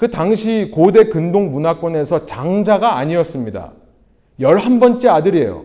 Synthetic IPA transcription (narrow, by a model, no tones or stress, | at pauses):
kɯtaŋɕʰikode̞kɯndoŋmunak͈wʌne̞sʰʌt͡ɕaŋd͡ʑaɡaːɲiʌs͈ɯmɲida̰ | jʌɭhambʌnt͡ɕ͈iadɯɾiḛjo̰